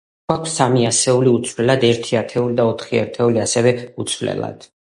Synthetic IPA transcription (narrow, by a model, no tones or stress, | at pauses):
akʰsːamiasɛuliut̪sʰvlɛlad̪ɛɾt̪ʰiat̪ʰɛulid̪aɔt̪ʰχia̰ɾt̪ʰɛuliasɛvɛut̪sʰvlɛ̰la̰d̪̥